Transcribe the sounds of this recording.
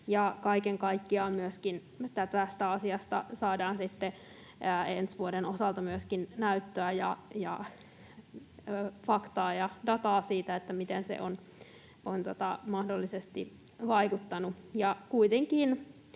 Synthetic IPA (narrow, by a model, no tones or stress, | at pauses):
jɑkɑikeŋkɑikːiɑːmyøskin | et̪ːæt̪æst̪æɑsiɑst̪ɑ̰sɑːdɑːnsit̪ːe | ensʋuodenosɑlt̪ɑmyøskinnæyt̪ːøæjɑ̰jɑ̰ | fɑkt̪ɑːjɑdɑt̪ɑːsiːt̪æet̪ːæmit̪ensḛʔon | ont̪ot̪ɑmɑhdolːisest̪i | ʋɑikut̪ːɑnujɑkuit̪eŋkiːn